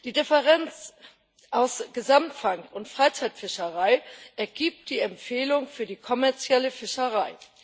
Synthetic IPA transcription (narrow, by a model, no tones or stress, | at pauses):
d̥iːdɪfɛʁɛnt͡s | ʔaʊsɡ̥əzamtfaŋkʊntfʁ̥aɪt͡saɪtfɪʃɐʁaɪʔɛɐɡiːp̚td̥iːɛmfeːlʊŋfyːɐdiːkʰɔmɛɐt͡sjɛləfɪʃəʁaɪ